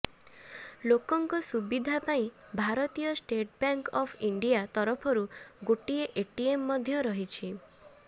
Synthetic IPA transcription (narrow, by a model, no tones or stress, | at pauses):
lokɔŋkɔsubid̪ʱapaĩ | bʱaɾɔt̪ijɔsʈeʈbaŋkɔpʰiɳɖijat̪ɔɾɔpʰɔɾuɡoʈieʔeʈiemːɔd̪ʱjɔɾɔɦit͡ʃʰi